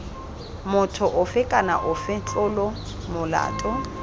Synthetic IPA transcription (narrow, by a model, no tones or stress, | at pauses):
mʊtʰʊʔʊfɪkʼana̰ʔʊfɪt͡ɬʼʊlɔ | mʊla̰ːtʼɔ